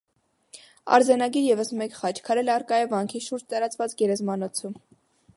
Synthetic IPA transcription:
ɑ̰ɾzɛnɑɡiɾjɛvəsmɛkχɑt͡ʃʰkʰɑɾɛlɛɑrkɑjɛvɑŋkʰiʃuɾd͡ʒt̪ɑɾɑt͡svɑt͡sɡɛɾɛzmɑnɔt͡sʰum

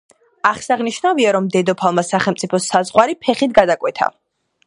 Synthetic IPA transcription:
aχsaʁniʃnaviaɾɔmd̪ɛd̪ɔpʰalˠmasaχɛlˠmt̪sʼipʰɔsazʁwaɾipʰɛχit̪ɡad̪akʼwɛt̪ʰa̰

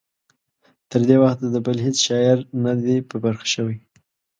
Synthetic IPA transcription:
t̪əɾd̪ewaxt̪̚d̪əbəlɦet͡sʃɑɪɾnad̪epəbaɾxḁʃəwij

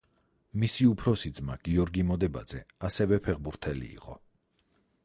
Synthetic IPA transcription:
misiupʰɾɔsid̪zmaɡ̥iɔɾɡimɔd̪ɛba̰d̪zɛasɛvɛpʰɛʁbuɾt̪ʰɛlḭːqʼɔ

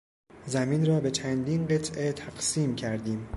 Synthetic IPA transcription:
zæmiːnrɒːbe̞t͡ʃʰænd̪iːnɢe̞t̪ʰʔe̞t̪ʰæɡ̥siːmcʰæɾd̪iːm

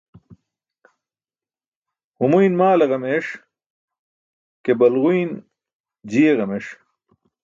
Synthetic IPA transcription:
humujnmaːlɐʁɐmeːʂ | kebɐlʁujn | d͡ʑiːeʁɐmeʂ

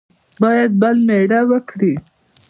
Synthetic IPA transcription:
bɑjad̪̚balneɽawəkɽi

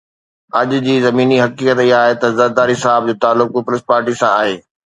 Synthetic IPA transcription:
ɐʄd͡ʑiːzɐmiːniɦɐkiːkət̪iɦaːɦet̪ɐzɐɾd̪aːɾɦɪsaːɪb̚d͡ʑoːt̪aːlːʊk̚pʊpʊlɪspaːɾʈisãaːɦeː

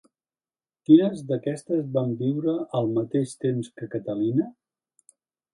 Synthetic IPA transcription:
k̪iɾəzðəkɛst̪əzβambiwɾəəlˠmət̪eʃt̪emskəkət̪əlinə

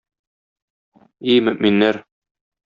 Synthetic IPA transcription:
imɵ̆ʔminːæɾ

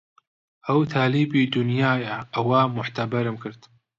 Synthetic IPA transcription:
ʔɐwt̪ʰaːliːbiːd̪ʊnjaːjaʔɐwaːmʊħt̪ʰɐbɐɾɨmkʰɨɾd̪

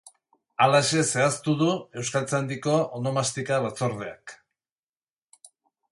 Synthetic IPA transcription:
alaeʃe̞se̞ast̪uðue̞wskalt͡seand̪iko̞ʔono̞mast̪ikaβat͡so̞ɾðe̞a̰k

